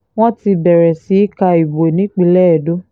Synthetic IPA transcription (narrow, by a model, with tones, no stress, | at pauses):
w̃ɔ̃˦ti˧bɛ˨ɾɛ˨si˨˦i˦ka˧i˨bo˨e˨nĩ˦k͡pĩ˦˧˦lɛ˦ɛ˨do˦